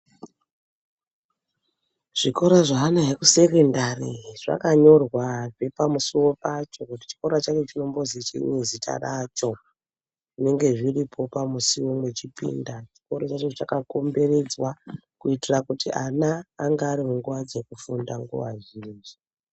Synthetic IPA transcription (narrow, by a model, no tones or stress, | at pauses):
ʐ̥iko̞ɾaʐaɦanaɦekuse̞kendarḭʐ̥a̰kaɲo̞rwaʐe̞pamusiwo̞pat͡ʃo̞kuti̥t͡ʃi̥ko̞ɾat͡ʃat͡ʃet͡ʃino̞mbo̞zit͡ʃḛnezitʰa̰rat͡ʃo̞ | ʐine̞ŋɡe̞ʐiripʰo̞pamusiwomwe̞t͡ʃipḭːndat͡ʃiko̞ɾot͡ʃat͡ʃot͡ʃakako̞mbe̞re̞d͡zwakuitirakutiʔanaːŋɡaːɾimuŋɡuʋad͡ze̞kufundaŋɡṵʋa̰ʒiːnd͡ʒi